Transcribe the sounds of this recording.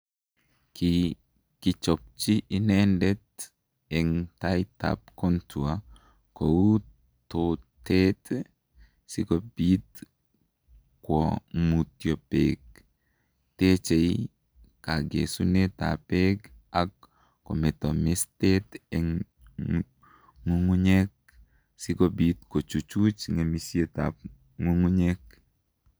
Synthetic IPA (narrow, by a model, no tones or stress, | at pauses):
ki | kit͡ʃɔp̚t͡ʃiʔinɛndɛt | ɛŋtajta̰p̚kɔntua | kowu | totet | sikɔbit̪ | kwɔmutjɔpeɡ̚ | tet͡ʃei | kaɡḛsuneta̰pekakː | ɔ̰mɛtɔmestetɛ | ŋuŋuɲek̚ | sikobit̪kot͡ʃut͡ʃut͡ʃŋemisieta̰p̚ | ŋuŋuɲek̚